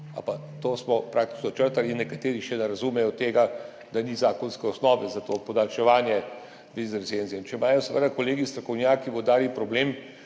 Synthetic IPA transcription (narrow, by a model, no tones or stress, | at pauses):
a̰pa | t̪oːsmɔpɾak̚t̪i̥t͡ʃnɔt͡ʃəɾt̪aliinːɛkat̪eːɾiʃɛnɛɾazumɛjɔt̪eːɡa | d̪anizaːkɔnskɛɔsnɔːʋɛzat̪oːpɔd̪alʃɛʋaːnjɛ | ʋizɾsenziɛint͡ʃɛmaːjɔsɛʋə̰d̪akoleːɡist̪ɾɔkɔwnjaːkiwɔd̪aːɾipɾɔbleːm